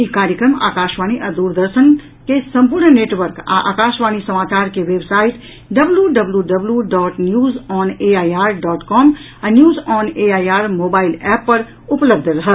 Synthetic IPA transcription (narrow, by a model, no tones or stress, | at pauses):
ikaːɾjəkɾəma̰ːkaːʃʋaːñiʔɐd̪uːɾd̪əɾʃən | kesɐ̃mpʊɾnneːʈʋəɾka̰ʔa̰ːkaːʃʋaːñisɐmaːt͡ʃaːɾkeʋeːbsaːɪʈ | ɖɐbljuɖɐbljuɖɐbljuɖɔːʈnjuːzɔːneːaːjaːɾɖɔːʈkɔːm | anjuːzɔːneːaːjaːɾmoːbaːɪlɛːpːɐɾ | ʊpləb̚d̪ʱəɾɐɦə